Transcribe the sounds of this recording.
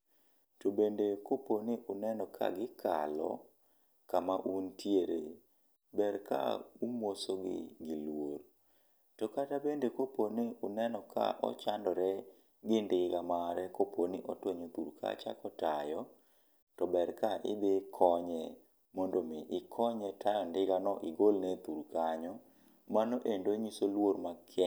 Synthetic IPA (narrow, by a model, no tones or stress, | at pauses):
tobendekoponiʔunɛnɔkʰa̰ɡɪkʰa̰lɔ̰ | kamaʔuntjeɾe | bɛɾka̰umwosoɡɪ̰ɡilwoɾ | tɔkatabendekoponiʔunɛnɔkʰa̰ʔɔ̰t͡ʃandɔɾɛ | ɡɪndɪɡamaɾɛkopʰoniʔɔtwoɲot̪uɾkʰa̰t͡ʃa̰kɔtajɔ | tɔbɛrkaʔɪ̰d̪ɪkʰɔɲɛ | mondomɪʔɪkʰɔɲɛtʰajɔndɪɡanɔʔiɡolnɛt̪uɾkaɲɔ | manoʔendoɲisolwoɾmakʰɛ